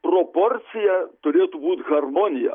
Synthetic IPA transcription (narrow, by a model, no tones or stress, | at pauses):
pɾɔpɔɾt̪sijɐt̪oɾʲiɐt̪ubut̪xɐrmɔnʲijɐ̰